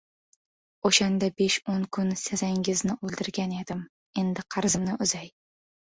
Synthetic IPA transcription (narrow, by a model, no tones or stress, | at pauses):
oʃand̪abe̞ʃoŋkʰʊnsezaŋʲɪznɪʔolˠd̪ɪɾɡʲane̞d̪ɪm | e̞nd̪ɪqʰɑɾzɪmnɪʔʊzaj